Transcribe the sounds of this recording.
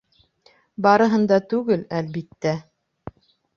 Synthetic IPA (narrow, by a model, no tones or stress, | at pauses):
bɑɾɤ̆ɦɤ̆nd̪ɑt̪ʉɡɘlælβit̪ːæ